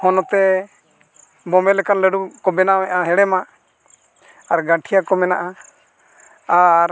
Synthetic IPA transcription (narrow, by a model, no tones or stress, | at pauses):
hɔnɔt̪ɛ | bɔmɛlɛkanləɽukɔbɛnawɛʔaɦɛɽɛma | ɾɡaʈʰijakɔmɛnaʔa | aɾ